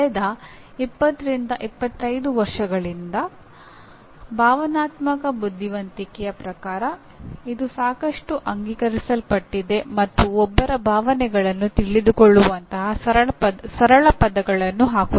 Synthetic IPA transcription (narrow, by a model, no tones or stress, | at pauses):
ɐɛd̪ɐ | ipːɐt̪ːɐɾind̪ɐʔipːɐt̪ːɐjd̪uʋɐɾʂɐɡɐɭind̪ɐ | bʱaːʋɐnaːt̪mɐkɐbud̪ʱːiʋɐnt̪ikɛjɐpɾɐkaːɾɐ | id̪usaːkɐʂʈuʔɐŋɡiːkɐɾisɐlpɐʈːid̪e̞mɐt̪ːuɔbːɐɾɐbʱaːʋɐnɛɡɐɭɐnːut̪iɭid̪ukoɭːuʋɐnt̪ɐɦɐsɐɾɐɐsɐɾɐɭɐpɐd̪ɐɡɐɭɐnːuɦaːku